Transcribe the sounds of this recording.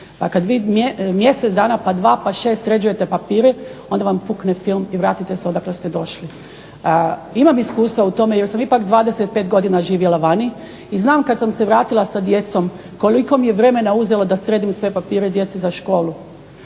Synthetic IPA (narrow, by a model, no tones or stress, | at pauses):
pakad̪ʋiːmemje̞set̪d̪aːnapad̪ʋaːpaʃest̪ɾe̞d͡ʑuje̞t̪e̞papiːɾeo̞nd̪aʋampuknefilˠmiʋɾaːt̪it̪eseod̪aklest̪ed̪o̞ʃli | imamiskuːst̪ʋaut̪o̞mejeɾsamipakd̪ʋaːd̪eset̪̚pet̪ɡo̞d̪inaʒiːʋjelˠaʋani | iznaːmkad̪samseʋɾaːt̪ilasad̪je̞t̪so̞m | ko̞liko̞mijeʋɾe̞me̞nauze̞lod̪asɾeːd̪imsʋe̞papiːɾed̪je̞t̪sizaʃko̞ːlu